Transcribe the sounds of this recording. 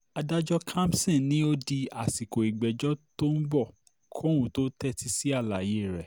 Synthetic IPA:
a˧da˦d͡ʒɔ˦kʰã˦msɛ̃˦˨nĩ˦o˦di˧a˨si˨ko˨i˨ɡ͡bɛ˨d͡ʒɔ˦to˦n̩˦bɔ˦˨ | kʰõ˦ũ˨˦to˦tɛ˦ti˧si˦a˦˨la˨je˦˨ɾɛ˨

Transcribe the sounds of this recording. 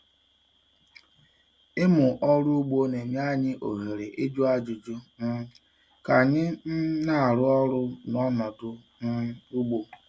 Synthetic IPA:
ɪ˦mʊ˨ʔɔ˦ɾu˦u˦ɡ͡bo˦ne˨mi˦a˦ɲɪ˦ʔo˨ɦe˨ɾe˨ʔe˦d͡ʒu˦a˦d͡ʒu˨d͡ʒu˦n̩˦ | ka˨ɲɪ˦n̩˦na˦a˨ɾʊ˦ɔ˦ɾʊ˦n˨˦ɔ˦nɔ˨dʊ˦ | n̩˦u˦ɡ͡bo˦

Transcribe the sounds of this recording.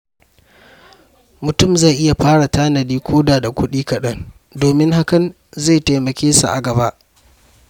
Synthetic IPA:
mʊ˨tʊ˦˨mza˦˨ʔɪ˦ja˨ɸaː˦ɽa˨taː˦nɐ˨diː˦kʷʰoː˦daː˨da˨kʷʊ˦ɗiː˦kɐ˨ɗɐ˦n | doː˨mɪ˦ŋɦa˦kɐ˨n | za˦˨jta˨jmɐ˨kʲeː˦sa̰˨ʔa̰˨ɡɐ˨βa˦ʔ

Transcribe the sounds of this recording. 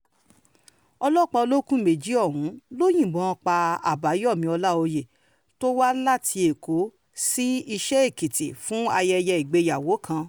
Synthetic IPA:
ɔ˧lɔ˦˨k͡pɔ˧o˧lo˦kũ˦me˨d͡ʒi˨˦ɔ˦˨ɦũ˨˦lo˦j̃ĩ˦˨ɡ͡bɔ̃˨˦ɔ̃˧˦k͡pa˧a̰˨ba˨˦ji˦ɔ˦˨mĩ˧˦ɔ˧la˦o˧je˨ | to˦wa˦la˦tʰi˧e˨ko˨˦ | si˦i˧ʃɛ˦e˦˨ki˨tḭ˨fũ˦a˧jɛ˧jɛ˧i˨ɡ͡be˧ja˨wo˨˦kʰã˧

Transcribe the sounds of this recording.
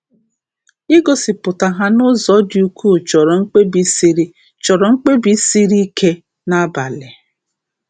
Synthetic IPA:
ɪ˦ɡo˨sɪ˨pʊ˨ta˨ɦa˦nʊ˦zɔ˨˦dɪ˦u˦kʰu˦˨t͡ʃɔ˨ɾɔ˨ŋ͡m̩˦k͡pe˦bi˦si˦ɾi˦ | t͡ʃɔ˨ɾɔ˨ŋ͡m̩˦k͡pe˦bi˦si˦ɾi˦kʰe˦ | na˦ba˨lɪ˨

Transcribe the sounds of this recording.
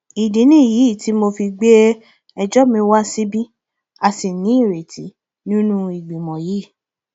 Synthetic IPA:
i˨di˨˦nĩ˦˨ji˨˦˨ti˨˦mo˧fi˧ɡ͡be˦ | ɛ˧d͡ʒɔ˦˨mĩ˧˦wa˦si˦bi˦ | a˧˨si˨nĩ˨˦i˦˨ɾe˨ti˨˦ | nĩ˦nũ˦i˨ɡ͡bi˨mɔ̃˨jiː˨˦˨

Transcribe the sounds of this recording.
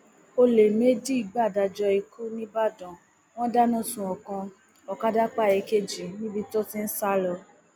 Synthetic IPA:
o˧le˨me˨˦di˦i˧˨ɡ͡ba˦˨da˧˨d͡ʒɔ˧i˧kʰu˦nĩ˦ba˦˨dɔ̃˨ | w̃ɔ̃˦da˦nɔ̃˦˨sũ˨ɔ˨kã˧ | ɔ˨ka˦da˦k͡pa˦˨ɛ˧ke˦d͡ʒi˨nĩ˦bi˧to˦ti˦n̩˦sa˦lɔ˧

